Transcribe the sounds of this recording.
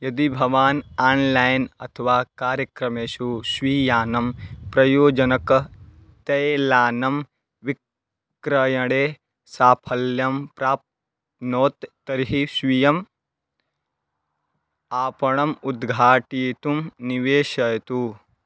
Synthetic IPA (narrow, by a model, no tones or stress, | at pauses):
jɐd̪ibʱɐʋaːnaːnlaːjnɐ̰t̪ʰɐʋaːkaːɾjɐkɾɐmeːʃusʋiːjaːnɐmpɾɐjoːd͡ʒɐnɐk | t̪ɐjlaːnɐm | ʋik | ɾɐjɐɽeː | saːpʰɐljɐmpɾaːp̚t | noːt̪ː | ɐɾiɦisʋijɐm | aːpɐɳɐmud̪ɡʱaːʈiːt̪umniʋeːʃɐjɐt̪u